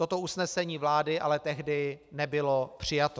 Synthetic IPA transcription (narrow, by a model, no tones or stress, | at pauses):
t̪o̞t̪o̞usnɛsɛɲiːvlaːdɪʔalɛt̪ɛɦdɪnɛbɪlopr̝̥ɪjat̪o